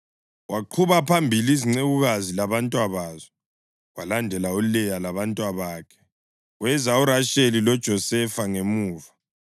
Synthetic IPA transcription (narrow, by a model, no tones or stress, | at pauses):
waǃʰuβapʰambʱiliziŋ͡ǀeɣuɣazilaβantʼwaβaːzɛ | walandʱɛlauulɛjalaβantʼwaβaːkʰɛ̥ | wɛzauɾaʃelilɔd̥ʒ̥ʱɔsɛfaŋemuːva